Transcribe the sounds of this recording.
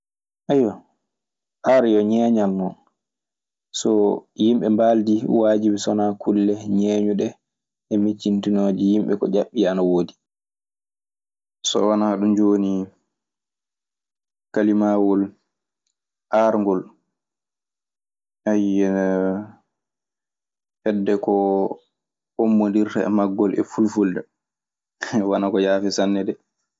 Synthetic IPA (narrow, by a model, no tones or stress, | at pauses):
ʔajɔ | haɾjɔɲɛɲalnɔn | sɔjimɓɛmbaldiwaːd͡ʒibisɔnakʰulːɛɲɛːɲuɗɛ | ʔɛmit͡ʃːintinoːd͡ʒijimɓɛkɔ̰ʄaɓːianawoːdi | sɔ̰wanaɗumd͡ʒoːni | kalimawɔl | haɾŋɡɔl | ʔajɛ | hɛdːɛkɔ | omːondiɾtaɛ̰maɡːɔlɛ̰fulfulda | wanakɔjaːfisanːɛdɛ